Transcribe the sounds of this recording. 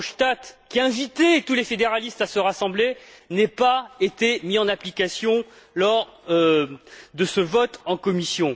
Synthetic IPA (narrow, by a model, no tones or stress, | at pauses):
ʃt̪at̪kʲiɛ̃vit̪et̪ulefed̪eʁalist̪asəʁasɑ̃blenɛpaet̪emiɑ̃naplikasjɔ̃ | lɔʁ | d̪əsəvɔt̪ɑ̃kɔmisjɔ̃